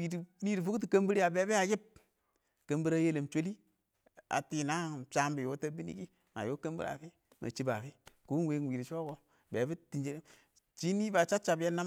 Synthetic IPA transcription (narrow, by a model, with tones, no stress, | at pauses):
wi˨di˨ni˦ɾi˨fu˦ku˦t̬i˨ka˦mbi˦ɾa˨be˨˦bi˦a˨ji˦p̚ | ke˨mbi˦ɾa˦je˦le˨mt͡ʃo˦li˦ | a̰˨ti˨na˦˨t͡ʃa˦mbi˨jo˦ta˦bi˦nḭ˦ki˦ | ŋa̰˨jo˦ke˦mbḭ˦ɾa̰˨fi˦ | mʔa̰˨t͡ʃi˦ba˨fi˦ku˨˦we˦ŋ˨wiː˨ɾi˨t͡ʃo˦ko˦ | be˨˦bi˦ti˨nd͡ʒe˦ɾe˦ | t͡ʃi˦niː˦ba˨t͡ʃa˦t͡ʃa˨bje˦na˦